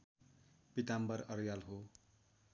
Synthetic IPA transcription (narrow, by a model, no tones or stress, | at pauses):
pit̪ambʌɾʌɾjalɦo